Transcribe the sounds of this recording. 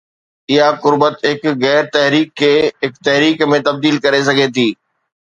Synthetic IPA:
ɪɦaqʊɾbət̪ɦɪkɣɛːɾt̪ɛɦɾiːkʰːeːɦɪkt̪ɛɦɾiːkmẽt̪ɐb̚d̪iːlkɐɾes̬ɐɡʱet̪ʰiː

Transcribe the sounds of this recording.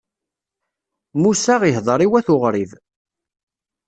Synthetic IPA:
musaʁiɦðˤɾˤiwæθʊʁɾið

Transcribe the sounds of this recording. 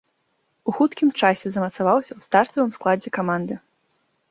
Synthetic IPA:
uxut̪kʲimt͡ʂasʲɛzɐmɐt̪savawsʲɐwst̪art̪ɐvɨmsklˠad͡zʲɛkamand̪ɨ

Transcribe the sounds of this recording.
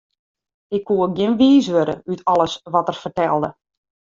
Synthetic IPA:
ɪkʰːuəɡjɪnʋiːsʋøɾə̰ytʰɔlˠəsʋɔtərfərtɛlˠdə

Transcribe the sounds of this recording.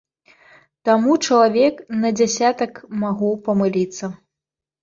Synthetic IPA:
t̪amut͡ʂɐlˠavʲɛknɐd͡zʲasʲat̪ɐkmaɣupɐmɨlʲit̪sːɐ

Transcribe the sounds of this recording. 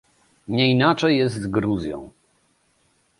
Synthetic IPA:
ɲɛinat͡ʂɛjːɛszt̪zɡɾuzʲjɔ̰̃w̃

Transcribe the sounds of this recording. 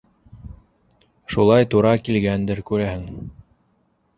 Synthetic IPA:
ʃulˠɑjt̪uɾɑkilɡænd̪ɘɾkʉɾæhɘŋ

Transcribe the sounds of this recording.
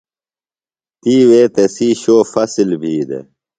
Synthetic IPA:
t̪iːweːt̪esiːɕoːfɐsilbʱiːd̪ḛ

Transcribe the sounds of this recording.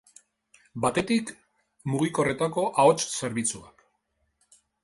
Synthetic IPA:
bat̪e̞t̪ik | muɣ̞iko̞re̞t̪ako̞ʔaot͡ʃse̞ɾβit͡suak

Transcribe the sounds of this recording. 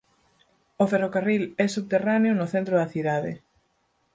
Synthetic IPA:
oferokarilɛsuβt̪eraneʊnʊθent̪ɾoðɐθiðaðɪ̰

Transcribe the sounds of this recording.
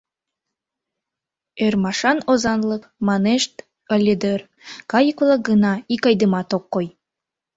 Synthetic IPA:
ørmɑʃɑnozɑnlˠɤkmɑneʃt̪ | əlʲed̪ør | kɑjəklˠɑk̚ɡənɑikɑjd̪əmɑt̪okːoj

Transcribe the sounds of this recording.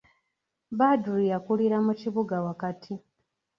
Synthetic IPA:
baduɾijakuliɾamuciβuɡawakatʰi

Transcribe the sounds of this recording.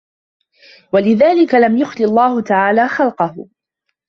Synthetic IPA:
walɪðaːlɪkalamjʊxlɪɑlˤːɑːhʊt̪aʕaːlaːxɑlqɑhʊ̰

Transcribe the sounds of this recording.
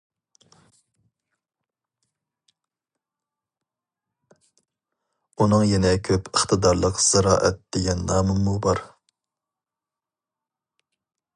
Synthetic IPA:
unɨŋjɛnɛkʲʰøpʰəχt̪ʰɨd̪ɑɾlˠəqz̥ɨɾɑ̰ːʔɛt̪̚d̪̥eɡʲɛnːɑːmɨnmubɑɾ

